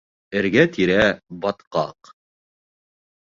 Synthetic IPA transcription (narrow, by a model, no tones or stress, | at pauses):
ɘ̆ɾɡæt̪iɾæbɑt̪qɑ̰q